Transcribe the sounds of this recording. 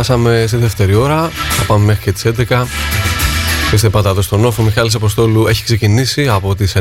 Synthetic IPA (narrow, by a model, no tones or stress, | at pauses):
ɐsɐme̞siðeft̪e̞ɾio̞ɾɐθɐpɐmeme̞xɾicet̪i̥se̞nd̪ekɐ | pist̪epɐt̪ɐðo̞st̪o̞no̞fomixɐlis̬ɐpost̪o̞lue̞çi̥ksecinisiɐpo̞t̪ise